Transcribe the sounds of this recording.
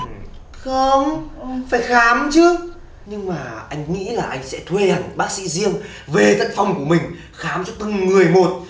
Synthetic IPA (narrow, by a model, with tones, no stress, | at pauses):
xə˧ŋ͡mfaː˧˩jxaː˨˦mt͡ɕɨ˦˥ | ɲɨ˧ŋmaː˨˩ʔa˧jŋ̟ŋḭ˧˥laː˨˩ʔa˧jŋ̟sɛ̰˧˥t̪ʰwe˧haː˨˩ŋɓaː˦˥k̚sḭ˧˥zi˧əŋ | ve˨˩t̪a˨˧˩ŋ̟fa˧˩wŋ͡mku˧˩əmï˨˩ŋ̟ | xaː˨˦mt͡ɕɔ˧t̪ɨ˧˩ŋŋɨ˨˩əjmo˨˩t̚